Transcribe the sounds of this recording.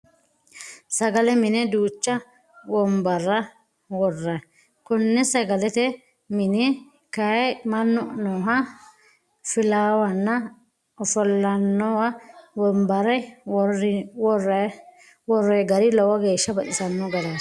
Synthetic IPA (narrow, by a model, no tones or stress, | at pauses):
sɐɡɐlɛmɪnɛd̪uːt͡ʃːɐ | wɔmbɐrːɐ | wɔrːɐ | kʊnːɛsɐɡɐlɛt̪ɛ | mɪnɛ | kɐjmɐnːɔʔnɔːɦɐ | fɪlaːwɐnːɐ | ɔfɔlːɐnːɔwɐwɔmbɐɾɐ | wɔr | wɔrːɔjɡɐɾɪlɔwɐɡeːʃːɐbɐʔɪsɐnːɔɡɐd̪a